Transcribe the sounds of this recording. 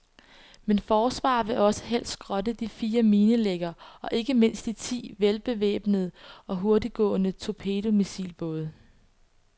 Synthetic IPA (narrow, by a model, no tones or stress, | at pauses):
menfɒːsʋɑ̰̈ːʋe̝ʔɒ̽sə̥ɦel̰sɡ̥ʁɒ̽dəd̥ifiːɐmiːnəleɡ̥ɐːʔɒ̽ʔe̝ɡ̥əme̝n̰sd̥it͡sʰḭːʋelb̥e̝ʋḛːb̥nəð̩ˠɒ̽ɦo̝ɐdiɡ̥ɔ̰̽ːnət͡sʰo̝pʰe̝ːdo̝misḭːlb̥ɔ̽ːð̞ˠ